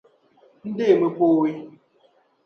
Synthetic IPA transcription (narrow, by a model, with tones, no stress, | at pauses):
n̩˦de˦˨mə˨po˦˨wi˦